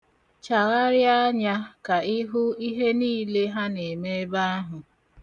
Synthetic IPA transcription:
t͡ʃa˨ɾa˦ɾja˦ɲa˦ka˨i˦ɦʊ˦i˦ɦe˦niː˦le˦ɦa˦ne˨me˦ba˦a˦ɦʊ˨

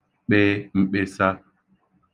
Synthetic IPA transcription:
ɓe˦m̩˨ɓe˨sa˦

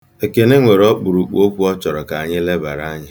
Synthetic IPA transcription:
e˨ke˨ne˦ŋʷe˨ɾɔ˦k͡pu˨ɾu˨k͡po˦kʷu˦ɔ˦t͡ʃɔ˨ɾɔ˨ka˨a˨ɲɪ˦le˦ba̰˨ɾa˦ɲɪ˦

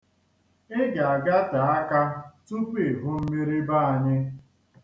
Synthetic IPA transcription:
ɪ˦ɡa˨a˨ɡa˦ta˨a˦ka˦tu˦pe˦˨e˨ɦʊ˦m̩˦me˦ɾi˦ba˦˨a˨ɲɪ˦

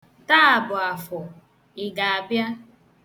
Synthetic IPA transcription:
ta˦˨bʊ˨a˨fɔ˨ | ɪ˨ɡa˨a˨bja˦

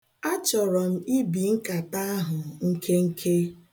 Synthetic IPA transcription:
a˦t͡ʃɔ˨ɾɔ˨m̩˦i˦bi˨ŋ̩˦ka˨ta˦a˦ɦʊ˨ŋ̩˦kʰe˦ŋ̩˦kʰe˦

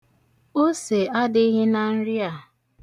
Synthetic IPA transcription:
o˦se˨a˦dɪ˦ɦɪ˦na˨n̩˦ɾi˦a˨

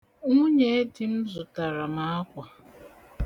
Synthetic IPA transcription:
ŋʊ˦ɲe˦di˦m̩˦zʊ˨ta˨ɾa˨ma˦a˦kʷa˨

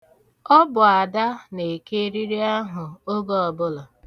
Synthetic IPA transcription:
ɔ˦bʊ˨a˨da˦ne˨ke˦ɾi˦ɾi˦a˦ɦʊ˨o˦ɡɔ˦ɔ˨bʊ˦lɔ˨

